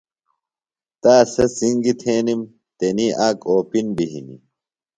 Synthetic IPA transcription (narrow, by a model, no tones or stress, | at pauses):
t̪aːsɐsiŋɡit̪ʰeːnim | t̪eniaːkoːpinbiɦḭnḭ